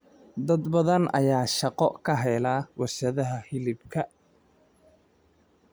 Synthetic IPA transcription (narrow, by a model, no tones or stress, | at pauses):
d̪ɐd̪bɐðɐnɐ̰jaːʃɑqɔkʰɐɦɛjlaːwɑrʃɐðɐɦɐhɪlɪbkʰɐ